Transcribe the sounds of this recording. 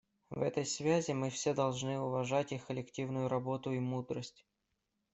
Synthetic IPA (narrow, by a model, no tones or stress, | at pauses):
vɛ̰t̪əjsvʲæzʲɪmɨfsʲed̪ɐlˠʐnɨʊvɐʐatʲixkəlʲɪktʲivnʊjʊɾɐbo̞t̪ʊimud̪ɾəsʲtʲ